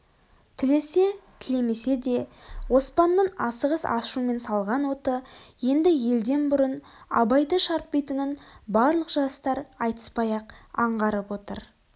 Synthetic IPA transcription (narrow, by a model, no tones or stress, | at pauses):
t̪ʰɪle̞se̞t̪ʰɪle̞me̞se̞d̪e̞wo̞spɑnːəɴɑsəʁəsɑ̰ʃume̞nsɑlˠʁɑnwo̞t̪əje̞nd̪ɪje̞ld̪e̞nbʊɾən | ɑ̰bɑjd̪əʃɑɾp̚pejt̪ənənbɑɾlˠəqʒ̥ɑst̪ɑɾɑjt̪ə̥spɑjɑqɑɴʁɑɾəpwo̞t̪ə̰ɾ